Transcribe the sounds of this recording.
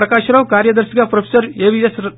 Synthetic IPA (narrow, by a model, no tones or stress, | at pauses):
ɾɐkaːʃɐɾɐʋkaːɾjɐd̪ɐɾsikapɾɐpʰe̥sɐɾeːʋijɐs